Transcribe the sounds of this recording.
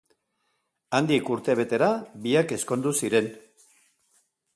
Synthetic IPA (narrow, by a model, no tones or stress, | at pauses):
and̪ikuɾt̪e̞β̞e̞t̪e̞ɾabiake̞sko̞nd̪usiɾe̞n